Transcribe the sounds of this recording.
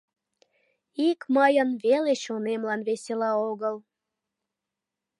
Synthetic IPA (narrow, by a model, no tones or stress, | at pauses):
ikmɑjənβeleʃonemlɑnβeselɑoɣəl